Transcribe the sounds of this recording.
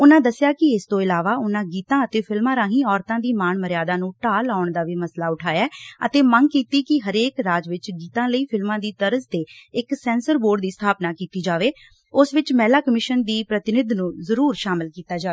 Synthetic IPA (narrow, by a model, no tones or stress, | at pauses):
ʊnãːd̪əsɪjaːkɪɪst̪õːɪlaːʋaːʊnãːɡiːt̪ãːət̪eːpʰɪlmãːɾãːɦĩːɔːɾt̪ãːd̪iːmaːɳməɾɪjaːd̪aːnũːʈaːlaːʊɳd̪aːʋiːməslaːʊʈʰaːjɛːə̰t̪eːməŋɡkiːt̪iːkɪɦəɾeːkɾaːd͡ʒʋɪt͡ʃɡiːt̪ãːləiːpʰɪlmãːd̪iːt̪əɾəsd̪eːɪksɛ̃ːnsəɾboːɖd̪iːst̪ʰaːpnaːkiːt̪iːd͡ʒaːʋeː | ʊsʋɪt͡ʃmɛːlaːkəmɪʃənd̪iːpɾət̪ɪnɪd̪nũːzəɾuːɾʃaːmɪlkiːt̪aːd͡ʒaːe